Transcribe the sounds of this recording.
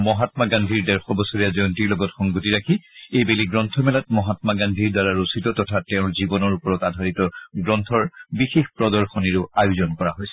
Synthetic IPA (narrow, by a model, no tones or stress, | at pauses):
mɔɦatmaɡandʱiɹdɛɹxɔbɔsoɹijazɔntiɹlɔɡɔtxɔŋɡutiɹakʰiejbeliɡɹɔntʰɔmɛlat̚mɔɦatmaɡandʱiɹdaɹaɹositɔtɔtʰatɛʊ̃ɹzibɔnɔɹupɔɹɔtadʱaɹitɔɡɹɔntʰɔɹbixexpɹɔdɔɹxɔniɹʊajuzɔnkɔɹaɦojsɛ̥